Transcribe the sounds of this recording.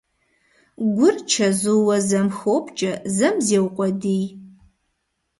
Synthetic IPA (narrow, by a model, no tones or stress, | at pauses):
ɡʷʊrt͡ʃʰɐzuwɐzɐmxoːpʰʼt͡ʃʼɐzɐmzeːwqʷʼɔdij